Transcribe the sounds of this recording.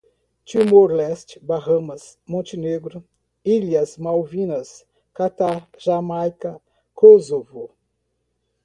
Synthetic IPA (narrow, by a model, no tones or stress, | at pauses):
t͡ʃimoɾlɛst͡ʃbaɦɐ̃mɐsmõnt͡ʃineɡɾʊ | iliɐsmawvĩnɐs | kat̪aɾʒamajkɐ | kozovo